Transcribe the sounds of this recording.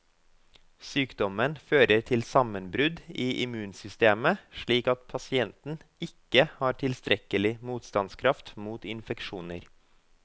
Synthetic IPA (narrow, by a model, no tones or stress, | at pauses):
syːkd̪ɔmənføːɾətʰɪlsɑmənbɾʉd̪iːʔɪmʉːnsʏst̪eːməʃɭiːkɑt̪pʰɑsɪɛnt̪n̩ɪkːəhɑːɾʈʰɪlst̪ɾʔɛkəlɪmuːt̪st̪ɑnskʰɾɑft̪muːt̪ɪnfɛkʂuːnə̰ɾ